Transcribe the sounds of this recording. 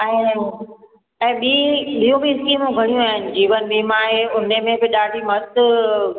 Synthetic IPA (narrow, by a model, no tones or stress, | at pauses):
ɛ̃ː | ɛ̃ːɓiːɓijũbiɪskiːmũɡʱɐɽ̃ijũaːɦɪnɪ̆d͡ʑiːʋənɓiːmãɦeʊnemẽbɪɗaːɖʱimɐt̪